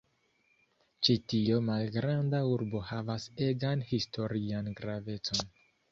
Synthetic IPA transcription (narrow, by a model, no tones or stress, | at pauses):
t͡ʃitiomalɡɾandauɾbo̞havase̞ɡanhistʰo̞ɾianɡɾave̞t͡so̞n